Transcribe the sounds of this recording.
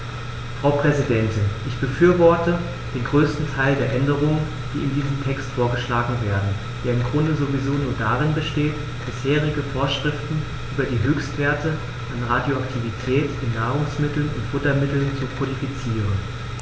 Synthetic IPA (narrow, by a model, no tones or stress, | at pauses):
fʁ̥aʊpʁ̥ɛzidɛntɪnʔɪçb̥əfyːɐvɔɐtə | d̥eːnɡʁøːstn̩tʰaɪldeːɐʔɛndəʁ̞ʊŋən | d̥ḭːɪndiːzm̩tʰɛkstfoːɐɡəʃlaːɡŋ̩veːɐdn̩ | d̥eːɐɪmɡʁʊndəzovizoːnuːɐdaʁɪnbəʃteːt | b̥ɪsheːʁ̞ɪɡəfoːɐʃʁ̥ɪftn̩ | ʔyːbɐdiːɦøːçstv̥eːɐtə | ʔanʁadjoaktʰivitʰɛːtʔɪnːaːʁ̞ʊŋsmɪtl̩nʊ̰ntfʊtɐmɪtl̩nt͡sukʰodifit͡siːʁən